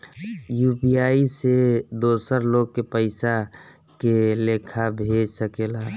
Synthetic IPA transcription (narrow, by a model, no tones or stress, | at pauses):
jupijaːised̪oːsəɾloːɡ̚kepəɪsa | keleːkʰabʱeːd͡ʒsəkela